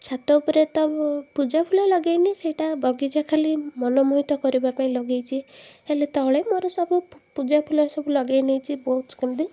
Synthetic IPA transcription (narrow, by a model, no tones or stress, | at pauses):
t͡ʃʰat̪ɔupɔɾet̪ɔpud͡ʒapʰulɔlɔɡajniseʈabʱɔɡid͡ʒakʰalimɔnɔmuɦit̪ɔkɔɾibapaĩlɔɡejt͡ʃʰielet̪ɔɦɭemoɾɔsɔbupud͡ʒapʰulɔsɔbulɔɡajnejt͡ʃʰibɔɦut̪skemd̪i